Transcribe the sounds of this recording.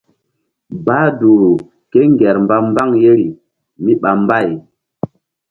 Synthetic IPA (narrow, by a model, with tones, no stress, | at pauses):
ba˨˦du˨ | ke˦ŋɡɛ˨ɾmba˦m˦ba˦ŋje˦ɾi˨ | mi˦ɓa˨mba˦˨j